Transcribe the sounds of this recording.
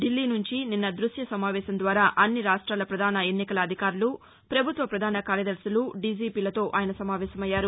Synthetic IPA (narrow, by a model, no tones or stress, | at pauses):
ɖilːiːnuɲt͡ʃininːɐd̪ɾuʃjɐsɐmaːʋɛːʃɐnd̪ʋaːɾaːʔɐnːiɾaːʂʈɾaːlɐpɾɐd̪ʱaːnɐe̞nːikɐlɐːd̪ʱikaːɾulu | pɾɐbʱut̪ʋɐpɾɐd̪ʱaːnɐkaːɾjɐd̪ɐɾsuluɖid͡ʒiːpiːlɐt̪o̞ːʔaːjɐnɐsɐmaːʋɛːʃɐmɐjːaːɾu